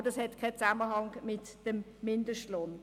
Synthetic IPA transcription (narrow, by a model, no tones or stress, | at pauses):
ədɑshɛtkʰaɪt͡saməɦɑŋmɪtd̥əmːɪndəʃtloːn